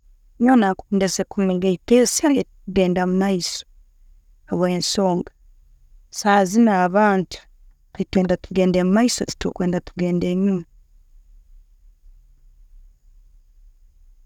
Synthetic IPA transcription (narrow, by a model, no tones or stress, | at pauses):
ɲonakundesekuniŋɡeipesajetkuɡeːndamumaiso̥ | aβaensoːŋɡa | sazinaːβaːntu̥ | itweːndatuɡeːndemumaisoti̥to̰kweːndatuɡeːndeɲum